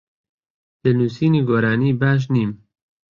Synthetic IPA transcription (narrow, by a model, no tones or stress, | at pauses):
d̪̥ɨnuːsiːniɡoɾaːniːbæʃ̬niːm